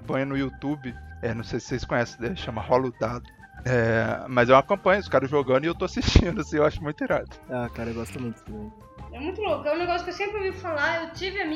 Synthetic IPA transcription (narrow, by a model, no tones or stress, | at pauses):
bɐ̃jɐnʊiut̪ubɪɛnɐ̃w̃sejsɪ̥sejskõɲɛsɪ̥̃ɛʃɐ̃mɐhɔlud̪ad̪ʊ | ɛmɐzɛũɐkɐ̃pɐ̃ɲɐʊskaɾɐʒoɡɐ̃nd̪ʊɪewt̪oasiʃt͡ʃĩnd̪ʊasĩewaʃʊmũj̃t̪eɾad̪ʊ̥akaɾɐeɡɔst̪ʊmũj̃t̪ʊd̪ɪmĩ | ɛmũj̃t̪ʊlokʊɛũneɡɔsjʊkewsẽmpɾɪvifalaewt͡ʃivɪɐmĩ